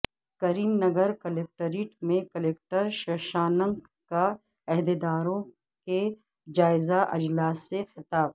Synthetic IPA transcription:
kɐɾiːmnɐɡəɾkɐleːk̚ʈəɾiːʈmẽkɐleːk̚ʈəɾʃɐʃaːnɐ̃ŋɡ | ka | ɐɦd̪ed̪aːɾõ | ke | d͡ʒaːɪzaʔɐ̰d͡ʒlaːsːexɪt̪aːb̚

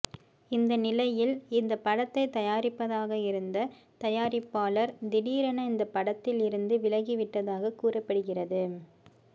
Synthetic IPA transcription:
ɪnd̪ɐnɪlɐjɪlɪnd̪ɐpːɐɽɐt̪ːɐɪt̪ːɐjaːɾɪpːɐðaːɣɐɪɾɯnd̪ɐ | t̪ɐjaːɾɪpːaːlɐɾd̪ɪɽiːɾɐnɐɪnd̪ɐpːɐɽɐt̪ːɪlɪɾɯnd̪ɯʋɪlɐɣiʋɪʈːɐðaːɣɐkuːrɐpːɐɽɯɣɪrɐðɯ

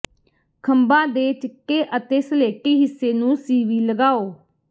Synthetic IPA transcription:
kʰəmbãːd̪eːʈɪkːeːʔət̪eːsəleːkiːɦɪsːeːnũːsiːʋiːləɡaːoː

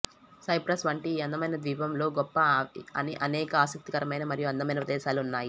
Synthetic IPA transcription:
sɐjpɾɐsʋɐɳʈiːɐnd̪ɐmɐjnɐd̪ʋiːpɐmlo̞ːɡɔpːɐɐniʔɐnɛːkɐaːsɐk̚t̪ikɐɾɐmɐjnɐmɐɾijuɐnd̪ɐmɐjnɐpɾɐd̪ɛːʃaːluunːaːji

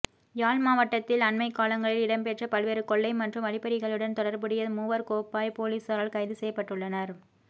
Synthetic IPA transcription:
jaːlmaːʋɐʈːɐt̪ːɪlɐnmɐɪkːaːlɐŋɡɐɭɪlɪɽɐmpɛʈrɐpɐlʋeːɾɯkɔɭːɐɪmɐʈdrɯmɐɽɪpɐɾɪɣɐɭɯɽɐnt̪ɔɽɐɾbɯɽɪjɐmuːʋɐɾkoːpːaːjpoːliːsɐɾaːɭkɐɪðɯsɛjːɐpːɐʈːɯɭːɐnɐɾ

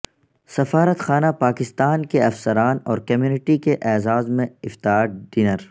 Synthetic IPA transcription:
sɐfaːɾət̪xaːnapaːkɪst̪aːnkeɐfsɐɾaːnɔːɾkɐmjuːnɪʈikeʔɛːzaːzmẽɪft̪aːɾɖɪnəɾ

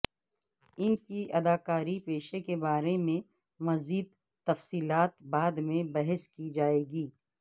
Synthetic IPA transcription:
ɪnkiʔɐd̪aːkaːɾipeːʃekebaːɾemẽ | mɐziːd̪̚ | t̪ːɐfsiːlaːt̪baːd̪mẽbɐɦəskid͡ʒaːeːɡiː

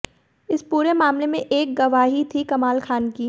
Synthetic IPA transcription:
ɪspuːɾemaːmlemẽʔeːk̚ɡɐʋaːɦit̪ʰikɐmaːlkʰaːnki

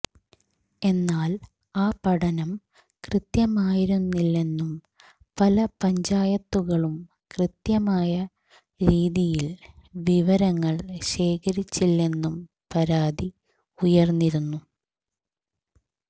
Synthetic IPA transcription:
e̞nːaːl | aːpɐɽɐnɐm | krɨt̪jɐmaːjiɾunːilːe̞nːum | pɐlɐpɐɲd͡ʑaːjɐt̪ːuɣɐɭum | krɨt̪jɐmaːjɐ | ɾiːðijilʋiʋɐɾɐŋːɐɭɕe̞ːkʰɐɾit͡ɕːilːe̞nːum | pɐɾaːd̪i | ujɐrnːiɾunːu

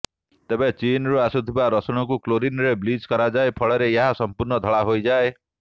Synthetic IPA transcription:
t̪ebet͡ʃinɾuasut̪ʰibaɾɔsɔɽ̃ɔkukloɾinɾebliskɔɾad͡ʒaepʰɔɭɔɾeeɦasɔmpuɾnɔd̪ʱɔɭaɦojd͡ʒae

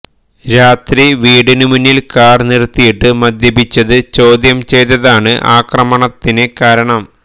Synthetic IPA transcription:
ɾaːt̪riʋiːɽinɨmunːilkaːrnirt̪ːijiʈːɨmɐd̪jɐbit͡ɕːɐðɨt͡ɕo̞ːd̪jɐmt͡ɕe̞jt̪ːɐðaːɳɨʔaːkrɐmɐɳɐt̪ːinɨkaːɾɐɳɐm

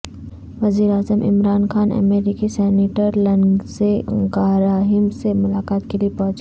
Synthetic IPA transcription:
ʋɐziːɾaːzəmʔɪ̰mɾaːnxaːnɐ̰meːɾikisɛːniʈəɾlɐ̃nseɡaːɾaːɦɪmsemʊlaːkaːt̪keliepɔɦt͡ʃ

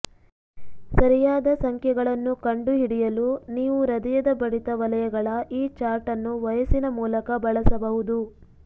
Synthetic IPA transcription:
sɐɾijaːd̪ɐsɐŋkʰjɛɡɐɭɐnːukɐɳɖuɦiɽijɐluniːʋuɾɐd̪ɛjɐd̪ɐbɐɽit̪ɐʋɐlɐjɐɡɐɭɐʔiːt͡ʃaːɾʈɐnːuʋɐjɐsinɐmuːlɐkɐbɐɭɐsɐbɐɦud̪u

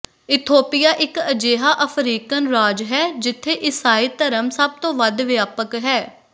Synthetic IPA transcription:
ɪt̪ʰoːpɪjaːʔɪkəd͡ʒeːɦaːʔəpʰɾiːkənɾaːd͡ʒɦɛːd͡ʒɪt̪ʰːeːʔɪsaːiːt̪əɾəmsəb̚t̪õːʋəd̪ʋɪjaːpəkɦɛː

